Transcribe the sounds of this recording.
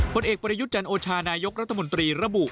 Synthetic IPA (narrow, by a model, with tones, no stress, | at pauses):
pʰo˧nʔeː˨˩k̚pɾa˧ju˦˥t̪̚t͡ɕa˧nʔoː˧t͡ɕʰaː˧naː˧jo˦˥k̚ɾa˦˥t̪ʰːa˧mo˧nt̪ɾiː˧ɾa˧bu˨˩ʔ